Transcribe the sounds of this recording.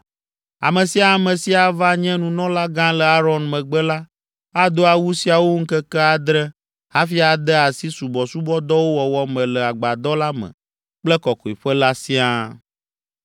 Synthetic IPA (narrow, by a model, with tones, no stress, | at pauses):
a̰˨mɛ̃˨si˨a˨mɛ̃˨si˦a˨va˦ɲɛ̃˦nũ˨nɔ̃˦la˦ɡã˦lə˨a˦ɾɔ˦nmɛ̃˨ɡ͡bɛ˦la˦ | a˦d̪o˦a˨wu˦si˦a˨wo˦ŋ̩˦kɛ˦kɛ˦a˨d̪ɾɛ˦ | ha˦fi˦a˨d̪ɛ˦a˨si˦su˨bɔ˨su˦bɔ˦d̪ɔ˦wo˦wɔ˨wɔ˦mɛ̃˨lə˨a˨ɡ͡ba˨d̪ɔ˦la˦mɛ̰̃˨ | k͡plɛ˦kɔ˨kɔ˨i˨ɸə˦la˦sĩ˦a˦